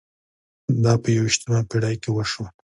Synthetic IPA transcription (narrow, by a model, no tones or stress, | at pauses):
d̪ɑpəjawiʃt̪əmapiɽɑjkewəʃwa